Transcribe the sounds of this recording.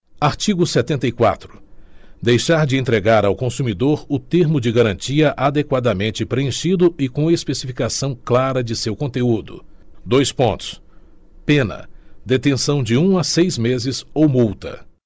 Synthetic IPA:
aɾt͡ʃiɡʊsɛt̪ẽnt̪ɐjkwa̰t̪ɾʊ̥d̪ejʃaɾd͡ʒɪẽnt̪ɾeɡaɾawkõsumid̪oɾʊt̪eɾmʊd͡ʒɪɡaɾɐ̃nt͡ʃiɐʔad̪ekwad̪ɐmẽnt͡ʃɪpɾeẽʃid̪ʊɪkõɐespesifikasɐ̃w̃klaɾɐd͡ʒɪsewkõnt̪eud̪ʊ̰d̪ojspõnt̪ʊ̥s | pẽnɐ̰d̪et̪ẽsɐ̃w̃d͡ʒɪũasejzmezɪzowmuwt̪ɐ̰

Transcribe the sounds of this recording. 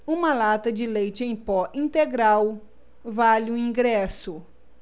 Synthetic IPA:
ũmɐlat̪ɐd͡ʒɪlejt͡ʃɪẽj̃pɔʔĩnt̪eɡɾaw | valɪʊ̃ĩɡɾɛsʊ

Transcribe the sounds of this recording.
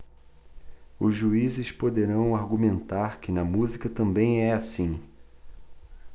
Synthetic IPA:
ʊzʒuizɪspod̪eɾɐ̃w̃aɾɡumẽnt̪aɾkɪnɐmuzikɐt̪ɐ̃mbẽj̃ɛasĩ

